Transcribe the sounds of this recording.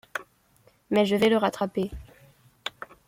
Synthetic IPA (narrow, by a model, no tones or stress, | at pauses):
mɛʒəvɛləʁat̪χape